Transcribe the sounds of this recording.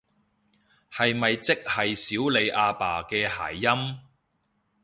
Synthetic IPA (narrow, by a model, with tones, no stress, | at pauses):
hɐ˨jmɐ˨jt͡sɪ˥k̚hɐ˨jsiː˨˥wle˨˧jʔaː˧paː˨kɛː˧ha̰ː˨˩jːɐ˥m